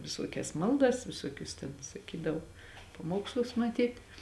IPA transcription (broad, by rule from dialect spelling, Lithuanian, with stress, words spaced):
ʋʲɪˈsuɔkʲɛs ˈmɐlˠdɐs ʋʲɪˈsuɔkʲʊs tʲɛn sɐˈkʲiːdɐʋoː pɐˈmuɔkslˠʊs mɐˈtʲiːtʲ